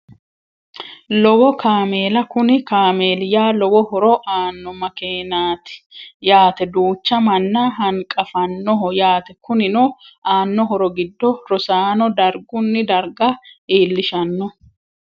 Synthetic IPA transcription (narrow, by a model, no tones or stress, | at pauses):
lɔwɔkaːme̞ːlɐkʊnɪkaːmeːlɪjaːlɔwɔhɔɾɔʔaːnːɔmɐkeːnaːt̪ɪ̥jaːt̪ɛd̪uːt͡ʃːɐmɐnːɐɦɐŋkʼɐfɐnːɔɦɔjaːt̪ɛkʊnɪnɔaːnːɔɦɔɾɔɡɪd̪ːɔɾɔsaːnɔd̪ɐɾɡʊnːɪd̪ɐɾɡɐiːlːɪʃɐnːɔ